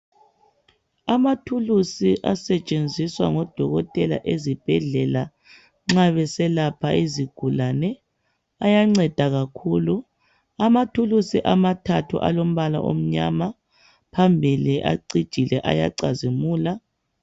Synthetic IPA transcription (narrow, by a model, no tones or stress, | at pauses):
amatʰulusiʔasɛt͡ʃʼend͡zʱiswa̰ŋɔd̥ʱɔɣɔtʼɛla̰ʔezib̥ʱɛɮɛla | ŋ͡ǁaβɛsɛlapʰaiziɡ̥ʱulanɛ | ajaŋ͡ǀɛd̥ʱaɣakʰulu | amatʰulusiʔamatʰatʰṵʔa̰lom̩βala̰ʔo̰m̩ɲa̰ma | pʰambʱiliʔa̰ǀid̥ʒ̥ʱilɛʔa̰ja̰ǀazimuːla